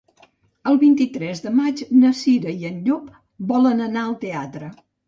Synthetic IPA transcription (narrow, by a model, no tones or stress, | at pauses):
əlˠβint̪it̪ɾɛzðəmad͡ʒnəsiɾəiənʎup | bɔlənənaəlˠt̪eat̪ɾə